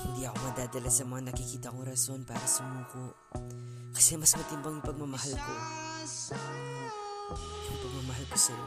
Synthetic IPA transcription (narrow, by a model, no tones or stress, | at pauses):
diaumadadalasamanakikidaŋuɾasonpaɾasamuko | kḁsemasmatinbaŋipak̚mamaɦalko | npak̚mamaɦalkuson